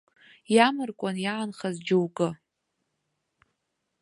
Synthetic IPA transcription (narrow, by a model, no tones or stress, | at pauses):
jamɨrkʷʼanjaːnχazd͡ʒowkʼɨ